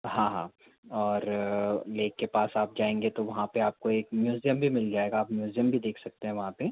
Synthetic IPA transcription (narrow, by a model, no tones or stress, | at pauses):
ɦãɦãː | ɔːɾleːkːepaːsaːp̚d͡ʒaːẽːŋɡet̪oʋɐɦãpeaːp̚koeːkmjuːzjəmbʱimɪld͡ʒaːeːɡaːpmjuːzjəmbʱid̪eːkʰsɐk̚t̪eɦɛ̃ʋɐɦãpe